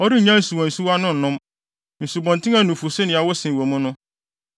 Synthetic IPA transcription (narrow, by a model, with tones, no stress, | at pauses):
ɔ˦ɾi˦˨ɲã˦n̩˨su˨wɔ̃˨n̩˨su˦wa˦nʊ̃˦n̩˨nʊ̃˦m | n̩˨su˨bɔ̃˨ntɪ̃˦ŋã˦nũ˨fu˨sɪ˦nɪ̃˨a˨wɔ˦sɪ̃˨wõ˨mʊ̃˦nʊ̃˦